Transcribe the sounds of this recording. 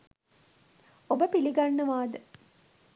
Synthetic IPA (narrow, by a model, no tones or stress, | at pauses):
obəpiliɡanːəʋaːd̪ə